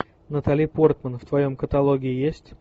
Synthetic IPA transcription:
nət̪alʲijpo̞rt̪mənft̪vɐjo̞mkət̪ɐlˠoɡʲɪɪjesʲtʲ

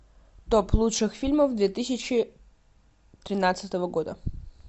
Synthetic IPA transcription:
t̪opʰlˠutʂɨxfʲilʲməfd̪vʲet̪ɨsʲɪt͡ɕɪ | t̪ɾʲɪnat̪sɨt̪əvəɡod̪ə̰

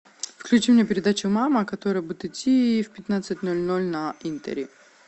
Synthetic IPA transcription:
fklʲʉt͡ɕimnʲepʲɪɾʲɪd̪at͡ɕʊmaməkɐt̪oɾəjəbudʲɪt̪ɪtʲːifpʲɪt̪nat̪sɨtʲnolʲnolʲnɐint̪ə̰ɾʲɪ

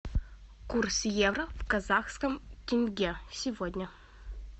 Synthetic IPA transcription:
kursjevrəvkɐzaxskəmtʲɪnʲɡʲesʲɪvodʲnʲə

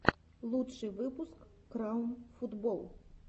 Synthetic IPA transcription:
lˠutʂɨjʋɪpʊskː | ɾɑwmfud̪bɔlˠ

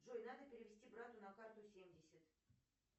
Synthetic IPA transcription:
ʐojnad̪əpʲeɾʲɪvʲɪsʲtʲibrat̪unakart̪ʊsʲemʲdʲɪsʲət̪

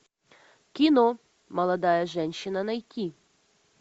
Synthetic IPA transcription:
kʲɪnɔ | mɐlˠɐd̪ɑjɛʒɛnʲɕɪnɐnɐjtʲːi

